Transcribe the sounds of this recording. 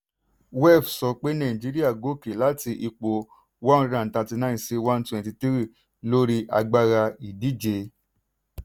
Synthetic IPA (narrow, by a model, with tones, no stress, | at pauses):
wɛ˦˨fsɔ˧k͡pe˦nã˦˨d͡ʒi˦ɾi˦a˦˨ɡo˨˦˨ke˨la˦ti˧ʔi˧k͡po˨ | wã˦n˦ɾã˨n̩˨tã˧ti˧nã˦˨se˦wã˦n˦twɛ̃˧nti˧ti˦ɾi˦˨ | lo˦ɾi˦ʔa̰˧ɡ͡ba˦ɾa˧i˨di˨˦d͡ʒe˧